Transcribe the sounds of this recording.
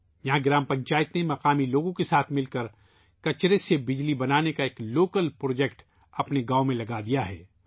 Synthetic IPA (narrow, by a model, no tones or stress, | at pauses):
jɐɦãɡɪɾaːmpɐ̃ɲt͡ʃaːjət̪nemɐqaːmiloːɡõkesaːt̪ʰmɪlkɐɾ | kɐt͡ʃɾesebɪd͡ʒlibɐnaːnekaeːkloːkəlpɾoːd͡ʒɛkʈ | ɐpneɡaːomẽlɐɡad̪ijaɦɛ̰ː